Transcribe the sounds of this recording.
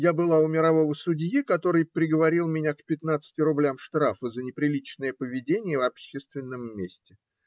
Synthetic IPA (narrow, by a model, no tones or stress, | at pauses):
jabɨlˠaʊmʲɪɾɐvo̞vəsʊdʲjikɐt̪o̞ɾɨjpɾʲɪɡəvɐɾʲilˠmʲɪnʲakpʲɪt̪nat̪sɨ̥tʲɪɾʊblʲamʂt̪ɾafəzənʲɪpɾʲɪlʲit͡ɕnəjəpəvʲɪdʲenʲɪjəvɐpɕːest̪vʲɪnːəmːʲesʲtʲɪ